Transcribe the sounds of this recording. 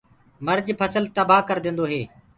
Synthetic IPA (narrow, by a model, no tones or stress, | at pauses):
məɾd͡ʒpʰəsəlt̪əbaːkəɾd̪ẽːnd̪oːɦeː